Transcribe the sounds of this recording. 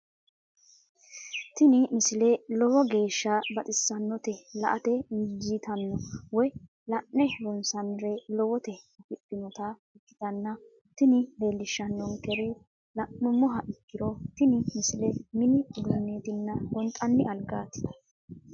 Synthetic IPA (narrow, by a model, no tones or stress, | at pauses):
t̪ɪnɪmɪsɪlelɔwɔɡe̞ːʃːɐbɐt̪ʼɪsːɐnːɔt̪ɛlɐ̰ʔɐt̪ɛd͡ʒit̪ɐnːɔwɔj | lɐʔːɛɾɔnsɐnɾɛlɔwɔt̪ɛɐpɪpːɪnɔt̪ɐɪkːɪ̥t̪ɐnːɐ | t̪ɪnɪle̞ːlːɪʃːɐnːɔŋkɛɾɪ | lɐʔːʊmɔɦɐʔɪkːɪɾɔt̪ɪnɪmɪsɪlɛmɪnɪɡʊnːeːt̪ɪnːɐɡɔnt̪ʼːɐnːɪɐlɡaːt̪ːɪ̥d̪ɐ̥